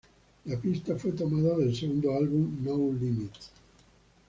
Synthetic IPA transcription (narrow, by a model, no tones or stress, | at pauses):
lapist̪afwet̪omaðaðelseɣund̪oalβumnowlimit̪